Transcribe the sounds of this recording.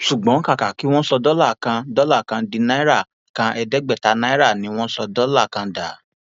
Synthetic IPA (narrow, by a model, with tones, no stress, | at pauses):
ʃu˨ɡ͡bɔ̃˨˦ka˦˨ka˨ki˨˦w̃ɔ̃˦sɔ˧dɔ˦la˦˨kã˧dɔ˦la˦˨kã˧di˧nã˦ɾa˦˨ | kã˧ʔɛ˧dɛ˦ɡ͡bɛ˦˨ta˨˦nã˦i˦ɾa˦˨nĩ˨˧˦w̃ɔ̃˦sɔ˧dɔ˦la˦˨kã˧da˨˦